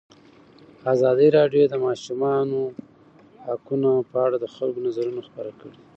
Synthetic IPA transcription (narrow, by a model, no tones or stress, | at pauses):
azɑd̪iɾɑɖjod̪əmɑʃumɑno | hakunapəaɽad̪əxalɡonazaɾunoxpəɾakəɽe